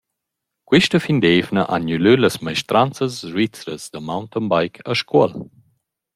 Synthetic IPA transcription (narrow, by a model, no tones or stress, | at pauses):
kwiʃtəfind̪eːvnə̰ʔanylyləsmajʃt̪ɾʔant͡səsʒit͡sɾə̰sd̪əmawnt̪ənbajkʰəʃkʰuəl